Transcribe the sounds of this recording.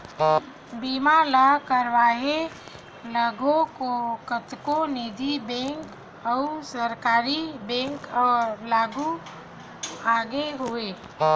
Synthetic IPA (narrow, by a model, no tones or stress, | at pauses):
biːmaləkəɾʋaːɦe | ləɡʱõkokət̪koniːd̪ʱibɛ̃ːŋk | əusəɾkaːɾibɛ̃ːŋkɔːlaːɡu | aːɡeɦoe